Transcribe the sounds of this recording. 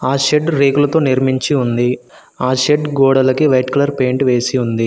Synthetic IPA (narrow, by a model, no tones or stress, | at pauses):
aːʃeɖɾeːɡulɐt̪o̞ːniɾmiɲt͡ʃiund̪i | aːʃeɖɡɔːɽɐlɐkiʋɐjʈkulɐɾpe̞ːɳʈʋe̞ːsiund̪i